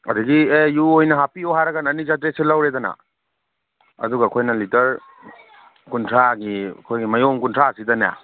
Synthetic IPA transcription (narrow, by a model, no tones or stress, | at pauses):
ɐdɐɡiejuojnɐɦapioɦaɾɐɡanɐnizatɾeselawɾedɐna̰ | ɐ̰duɡɐkʰojnɐlitɐɾ | kuntʰɾaɡḭkʰojɡimɐjomkuntʰɾasidɐnja̰